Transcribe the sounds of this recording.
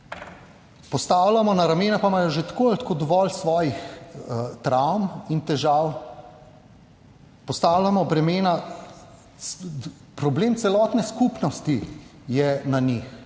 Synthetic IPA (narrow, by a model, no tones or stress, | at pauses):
pɔst̪aːwlamɔnaɾameːnapamaːjɔʒet̪kolt̪koːd̪ɔʋɔlsʋɔːjix | t̪ɾawmint̪ɛʒaw | pɔst̪aːwlʲamɔbɾɛmeːna | pɾɔbleːmsɛlɔːt̪nɛskupnɔst̪ijɛnanix